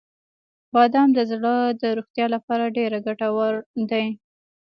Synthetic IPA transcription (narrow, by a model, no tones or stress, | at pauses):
bɑd̪ɑmd̪əzɽəd̪əɾoxt̪jɑlapɑɾaɖeɾaɡaʈawaɾd̪aj